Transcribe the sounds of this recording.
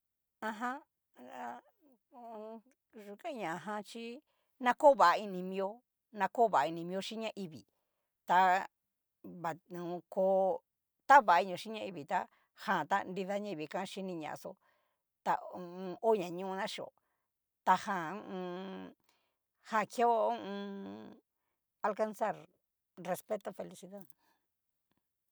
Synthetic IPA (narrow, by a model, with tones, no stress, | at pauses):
ã˧ɦã˦ | a˧ | ʐu˧kã˦ɲã˨˧˨ɦã˧t͡ʃi˦ | nã˧ko˦βa˨˧i˧nĩ˧mĩ˧o˦ | nã˧ko˦˨βa˨˧i˧nĩ˧mĩ˧˦o˧˦ʃi˦ɲã˦ʔi˧βḭ˨ | t̪a˧ | βa˨ũ˨˧koː˧˦ | t̪a˦βa˨˦i˧ɲõ˨ʃi˦ɲã˦˧i˧βi˨t̪a˧ | hã˦˨t̪a̰˦ndi˧ða˧˦ɲã˦˧i˧βi˨kã˦ʃi˦nĩ˧ɲã̰˨˧so̰˧˦ | t̪a˧ũ˧o˦ɲã˨ɲũ˦ũ˧nã˦ʃi˧o̰˨ | t̪a˧hã˦˨˧ũ˧ | hã˦˨ke˦õ˦˧ | a˧lka˧nsa˦˨ɾ | re˧spe˦t̪o˧fe˧li˧si˧ða˦ð